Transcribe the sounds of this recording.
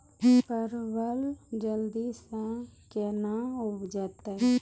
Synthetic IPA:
pəɾbəld͡ʒəld̪isɛ̃kenaʊd͡ʒət̪ɛ

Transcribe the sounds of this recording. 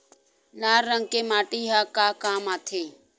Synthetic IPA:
laːɾːə̃ŋɡkemaːʈiɦaːkaːkaːmaːt̪ʰeː

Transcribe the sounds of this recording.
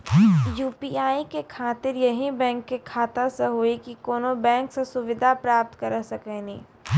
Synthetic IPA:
juːpiaːikekʰaːt̪ɪɾjɐɦĩbɛ̃ːŋkːekʰaːt̪aseɦoːikikoːnobɛ̃ːŋksesʊʋɪd̪ʱapɾaːp̚t̪kɐɾəsɐkɛːnḭ̃ː

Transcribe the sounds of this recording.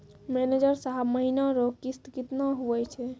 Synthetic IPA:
mɛned͡ʒəɾsaɦabməɦinaɾokist̪kit̪naɦuɛt͡ʃʰɛ

